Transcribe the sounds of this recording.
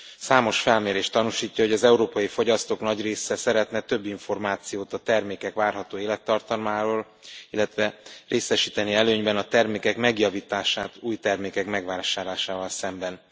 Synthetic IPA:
saːmo̞ʃfɛlmeːɾeːʃt̪ːɒnuʃiːcːɒɦo̞ɟɒzɛuɾoːpɒjifo̞ɟɒst̪oːknɒɟreːsɛsɛɾɛt̪nɛt̪ø̞bːiɱfo̞rmaːt̪sijoːt̪ɒt̪ɛrmeːkɛkʋaːrɦɒt̪oːeːlɛt̪ːɒrt̪ɒlmaːɾoːl | ilːɛt̪ʋɛreːsɛʃiːt̪ɛniɛløːɲbɛnɒt̪ɛrmeːkɛkmɛɡjɒviːt̪aːʃaːt̪uːjt̪ɛrmeːkɛkmɛɡʋaːʃaːɾlaːʃaːvɒlsɛmbɛn

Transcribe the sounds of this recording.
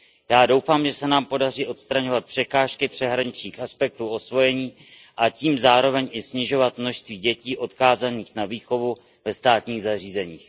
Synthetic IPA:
jaːdo̞wfaːmʒɛsɛnaːmpo̞dar̝iːʔo̞t̪st̪ɾaɲo̞vat̪̚pr̝̥ɛkaːʃkɪpr̥ɛɦɾaɲɪt͡ʃɲiːxʔaspɛk̚t̪uːʔo̞svo̞jɛɲiː | ʔaciːmzaːɾo̞vɛɲʔɪsɲɪʒo̞vat̪mno̞ʃst̪viːɟɛciːʔo̞t̪kaːzaniːxnaviːxo̞vu | vɛst̪aːt̪ɲiːɣzariːzɛɲiːx

